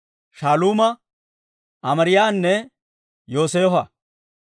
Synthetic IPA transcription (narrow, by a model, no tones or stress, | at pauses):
ʃaːluːmɐ | ɐmɐɾɪjaːnːɛ | jo̞ːseːfɐ